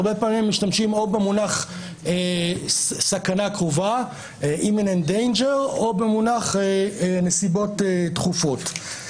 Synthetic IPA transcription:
ʁbe̞paːmimːiʃtamʃimobemunaχ | e | sakanakʁova | ʔiminendejnd͡ʒeʁobemunaχenesibo̞tetχufo̞t

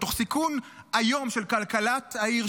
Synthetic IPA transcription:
t̪oχsikun | ajo̞mʃelkalkalataiʁ

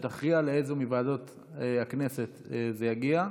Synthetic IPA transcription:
t̪aχʁialeejzemivaːdo̞t | eaknese̞t̪ezejaɡia

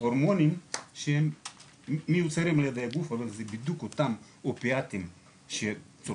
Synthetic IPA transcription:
oɾmonimʃe | miut͡seɾemled̪ajaɡufalozebid̪ukot̪am | opeat̪im | ʃe | t͡so

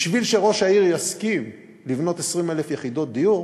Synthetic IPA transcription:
ʃvilʃe̞ʁo̞ʃaiʁjaskim | livno̞t̪esʁimelefjeχid̪o̞t̪̚d̪ijuʁ

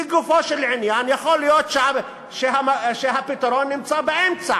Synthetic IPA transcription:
iɡufoʃelʕɪnjanjaxolijot̪ʃam | ʃeɦaʃeɦapit̪aɾonːɪmt͡sabeʔemt͡sa

